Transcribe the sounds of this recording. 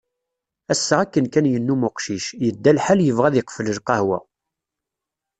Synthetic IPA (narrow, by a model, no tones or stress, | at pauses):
æsːəʁækːənkænjənːumʊqʃiʃjəd̪ːælħaljəvʁæðɪqfələlqɑhwæ̰